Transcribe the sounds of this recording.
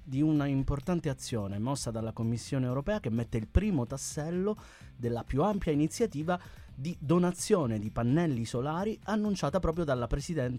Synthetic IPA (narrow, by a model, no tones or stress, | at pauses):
d̪iunaimport̪ant̪eat̪sːjoːneɛmːɔsːad̪alːakomːisːjoːneːwɾopɛːakemːet̪ːeilpɾiːmot̪asːɛlːo | d̪elːapjuampjainit̪sːjat̪iːva | d̪id̪onat̪sːjoːned̪ipanːɛlːisolaːɾianːunt͡ʃaːt̪apɾɔːp̬ɾjod̪alːapɾesid̪ɛn